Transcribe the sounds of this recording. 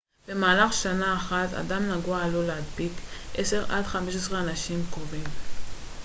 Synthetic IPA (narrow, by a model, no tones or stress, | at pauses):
b̥e̞maːlaχʃanaːχat̪a̰damnaɡualolead̪bikʔese̞ʁa̰dχameʃ̬esʁeanaʃimkovim